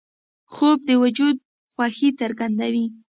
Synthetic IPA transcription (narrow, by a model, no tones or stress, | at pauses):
xob̚d̪əwʊd͡ʒud̪̚ | xwaxit͡saɾɡand̪awi